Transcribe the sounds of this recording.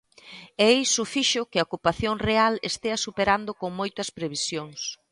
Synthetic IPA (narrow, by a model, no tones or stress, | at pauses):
ejsʊfiʃʊkɪɐokupaθjoŋrealest̪eɐsupeɾand̪ʊkoŋmojt̪ɐspɾeβisjoŋs